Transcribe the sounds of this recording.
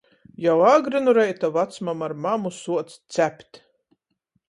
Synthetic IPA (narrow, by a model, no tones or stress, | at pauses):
jawaːɡɾɨnuɾɛjt̪avat̪smamaɾmamusuɔt̪sʲt̪sʲæpʲt̪ʲ